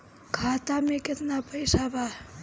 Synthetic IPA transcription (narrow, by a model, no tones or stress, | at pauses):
kʰaːt̪amekɪt̪napəjsaba